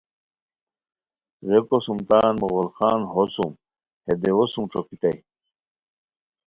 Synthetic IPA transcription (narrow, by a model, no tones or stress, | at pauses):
ɣekosumt̪aːnmoɣolxaːnɦosum | hed̪ewosumʈ͡ʂʰokit̪ɐj